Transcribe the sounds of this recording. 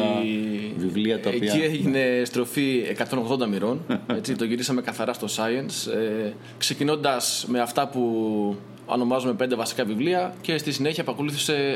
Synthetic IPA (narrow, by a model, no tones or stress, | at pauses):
ivivliɐt̪ɐeieʝine̞st̪ɾo̞fiekɐt̪o̞no̞ɣðo̞nd̪ɐmiɾo̞ne̞t͡sit̪o̞ʝiɾisɐme̞kɐθɐɾɐst̪o̞sɐɐnse | kse̞cino̞nd̪ɐsme̞ɐft̪ɐpu | ɐ̰no̞mɐzume̞pe̞nd̪e̞vɐsi̥kɐvivliɐce̞st̪isine̞çiɐpɐko̞luθise̞